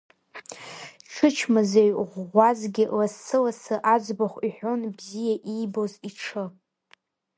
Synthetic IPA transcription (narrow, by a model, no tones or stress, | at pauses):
ʈ͡ʂʰɨt͡ʃʰmazejʁʷazɡʲɪlasɨlasɨʔad͡zʷbaχʷiħʷᶣo̞nbzijaʔibo̞ziʈ͡ʂʰɨ